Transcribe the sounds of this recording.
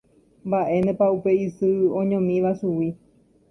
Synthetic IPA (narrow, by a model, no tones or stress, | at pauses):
mbaʔe̞nẽpaupe̞isɨõɲõmĩʋasuwi